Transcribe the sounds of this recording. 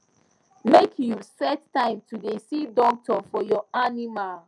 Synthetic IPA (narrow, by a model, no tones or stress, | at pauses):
mekʰjusɛttãɪ̃mtʰudesidɔk̚tʰɔfɔjɔanimal